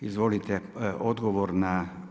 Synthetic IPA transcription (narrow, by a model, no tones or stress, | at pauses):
izʋolit̪ɛod̪ɡoʋoɾna